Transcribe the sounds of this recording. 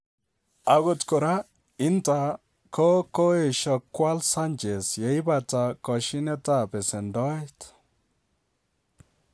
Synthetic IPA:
a˨ɡɔ˨tkɔ˨ɾa˦ | ɪ˦ntʼa˨ | kʰɔ˦kɔ˦e˦˨ʃɔ˨kːwa˦lsa˦nt͡ʃʼe˨sjɛ˨jba˨t͡sa˨kɔ˨ʃɪ˦nɛ˦tʼa˦bɛ˨sɛ˨nd̪ɔ˦jt̪

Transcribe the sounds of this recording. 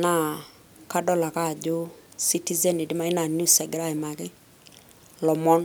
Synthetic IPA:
na˦˨ | ka˦dɔ˦la˨ka˦˨d͡ʒo˦si˦ti˦zɛ˦ni˨dɪ˦ma˦ɪ˦na˨nju˦sɛ˨ɡɾa˦˨ɪ˨ma˨kɪ˦ | lɔ˨mɔ˦n

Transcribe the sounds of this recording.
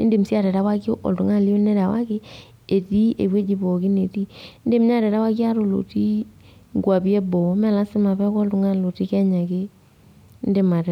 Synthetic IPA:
nde˨m˨si˦a˦˨ɾɛ˨da˦wa˦kʔɔ̰˨ltu˨ŋa˦˨li˦o˦nɛ˦ɾa˨wa˦kɪ˦ | e˨ti˦ḛ˨we˦d͡ʒi˨bɔ˨ki˦ne˨ti˦nde˦m˦ɲ˦a˦˨ɾɛ˨ɾa˦wa˦ki˦a˦ɾo˨lo̰˨ti˦ŋɡwa˨pi˦ɛ˦bɔ˨˦mɛ˦˨la˦sɪ˦ma˨pɛ˦kɔ˦ltu˨ŋa˦lo˨ti˦kɛ˦ɲa˨ke˦ | n˦de˨ma˨ɾɛ˨

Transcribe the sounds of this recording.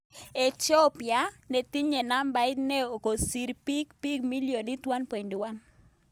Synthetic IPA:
e˨tɔ˦pja˨nɛ˨ti˦ɲɛ˨na˦mba˨˦ɪ˦t̪nɛ˦o˨ko˨si˨ɾpi˦kpi˦ɡmi˦ljo˨ni˦t̪wa˦npe˨ndi˨wa˦n

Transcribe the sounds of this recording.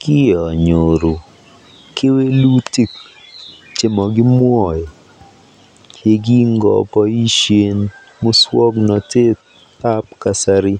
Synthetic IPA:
kɪ˦ɔ˨ɲo˨ɾo˨ | kɪ˦we˦lu˦ti˦k | t͡ʃɪ˨mɔ˨ɡɪ˦mwɔ˨j | e˦ɡi˦ŋɡɔ̰˨pɔ˦i˦ʃje˦n | mo˦swɔ˦ɡnɔ˨te˦ | t̪a˦p̚ka˨sa˦ɾi˦

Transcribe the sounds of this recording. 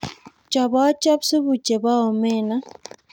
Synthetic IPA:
t͡ʃa˨βa˦t͡ʃa˦bsu˦βu˨t͡ʃe˨βa˦ɔ˨mɛ˦˨na˦

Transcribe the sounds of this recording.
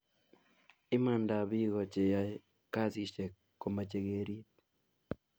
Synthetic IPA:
i˦ma˨nda˨βi˦ɣo˨t͡ʃe˨ja˦ | ka˦zi˦˨t͡ʃe˨ | ko˨ma˨t͡ʃe˨ɣeɾi˦t

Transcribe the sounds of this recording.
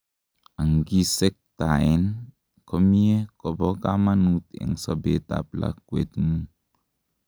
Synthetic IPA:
a˨ŋ˨ɡi˦se˦k̚ta˨i˦n | kɔ˦mi˦e˦kɔ˨bɔ˦ka˦ma˦nu˦tḛ˨ŋsɔ˨be˨ta̰˨p̚la̰˨kwḛ˨t̪nu˦

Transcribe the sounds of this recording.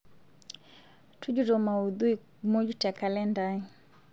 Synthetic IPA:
tu˦d͡ʒu˦ɾɔ˨ma˨uðu˦i˨ | mɔ˦d͡ʒu˦ta˨ka˨lɛ˦nda˦i˦

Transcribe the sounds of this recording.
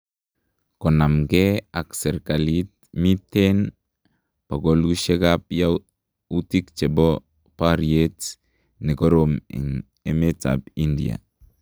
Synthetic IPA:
kɔ˨na˨mɡea˨ksɛ˨ɾka˨lit̚ | mi˦ten | pa˨ɡolɡu˦ʃe˦ɡap̚ja | uti˦kt͡ʃɛ˨bɔ | paɾiet | ne˨ɡɔ˦ɾomḭ˨n | e˦me˦ta̰b̚i˦ndḭa̰˨

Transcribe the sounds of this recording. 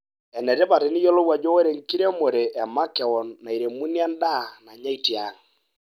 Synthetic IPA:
ɛ˨nɛ˨ɾe˦pa˨ɾɪ˨ni˦jɔ˦lɔ˦wa˨d͡ʒɔ˦wo˦ɾe˨ŋ˨ki˦ɾe˦mo˨ɾe˨ʔɛ˨ma˦kɛ˨wɔ˨nːa˨i˨ɾe˨mu˦nja˦nda˦˨na˨ɲa˦i˨ti˨a˨˦ŋ

